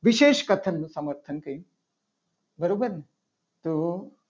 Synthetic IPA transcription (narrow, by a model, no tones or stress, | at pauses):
ʋiɕeːʃkɐt̪ʰɐnːusɐməɾt̪ʰɐnkɐi | bəɾobəɾnɐ | t̪u